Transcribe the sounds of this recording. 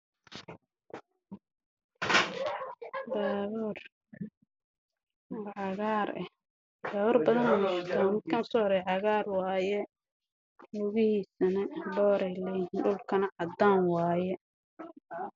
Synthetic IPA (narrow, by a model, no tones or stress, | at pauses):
baːβuːr | ʕɑɣaːɾɛ | baːβɔːrbɐðɐnmʊħt̪ʰaːmɪd̪̚kʰɐnsɔːɾɛjʕɑɣaːrwɑːjɛ | ʊɣɪhiːsɐnɐbɔːɾɛjlɛjhiːnɖʊlkʰɐnɐʕɑd̪aːnwɑːjɛ